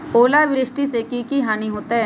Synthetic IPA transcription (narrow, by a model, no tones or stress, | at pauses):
oːlaʋɪɾɪʃʈisekikiɦaːniɦoːt̪aɦɛ